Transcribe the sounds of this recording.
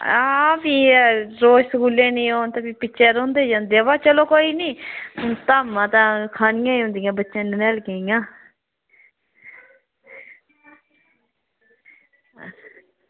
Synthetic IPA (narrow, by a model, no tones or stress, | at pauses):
abiːɾoːsəkuːleːnĩːoːnt̪ãbiːpɪːʃeːɾõːnd̪eːd͡ʒãːnd̪eʋaːt͡ʃəloːkoːiːniːt̪aːmãːt̪ãːkʰaːnɪjãːĩɦʊ̃nd̪iːãːbətːʃãːnnɛːlkeːijãː